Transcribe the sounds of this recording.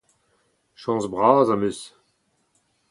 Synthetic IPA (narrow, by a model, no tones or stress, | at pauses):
ʃɑ̃ːsbʁaːzamøs